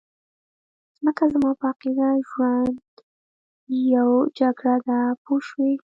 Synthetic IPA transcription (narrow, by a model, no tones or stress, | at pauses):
z̥məkazmɑpəaqid̪aʒwand̪ | jawd͡ʒaɡɽad̪apoʃwe